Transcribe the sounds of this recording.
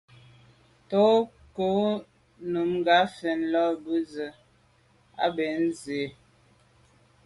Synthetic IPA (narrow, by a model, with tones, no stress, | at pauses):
tɔ˦ | ko˦ | nu˨mŋ˦ɡa˨˦fɛ˨nlɔ˦˨bə˦zə˨ | a̰˦be˨n̩˦ze˨˦